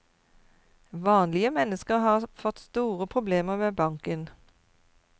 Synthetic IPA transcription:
ʋɑːnlɪəmɛnəskəʁhɑːʁfɔt̪st̪uːʁəpʰʁʊbleːməʁmeːbɑŋkən

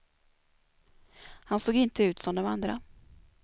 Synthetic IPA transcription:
hansoːɡɪnt̪əʉ̟ːt̪sɔmd̪ɔmand̪ɾa

